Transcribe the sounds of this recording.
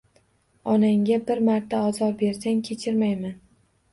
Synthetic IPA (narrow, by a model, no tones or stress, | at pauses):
ɒnaŋɡʲabɪɾmaɾt̪ʰːaɒzɒɾbe̞ɾsankʲʰet͡ʃʰɪɾmajman